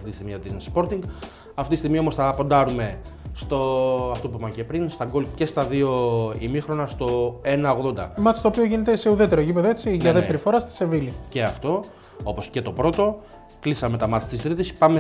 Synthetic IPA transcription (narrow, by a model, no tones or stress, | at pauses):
ft̪it̪ist̪iɣmiɐt̪inspo̞ɾt̪iŋɡ | ɐft̪it̪ist̪iɣmio̞mo̞sθɐpo̞nd̪ɐɾume̞ | st̪oɐft̪o̞p̬uimɐcepɾinst̪ɐɡo̞lce̞st̪ɐðio̞imixɾo̞nɐst̪o̞e̞nɐo̞ɣðo̞nd̪ɐ̰mɐt̪i̥st̪opio̞ʝine̞t̪ese̞uðe̞t̪e̞ɾoʝipeðoet͡siʝɐðeteɾifo̞ɾɐst̪i̥se̞vilice̞ɐft̪o̞ | o̞po̞sce̞t̪o̞pɾo̞t̪o̞ | klisɐme̞t̪ɐmɐt̪i̥t̪ist̪ɾiðispɐme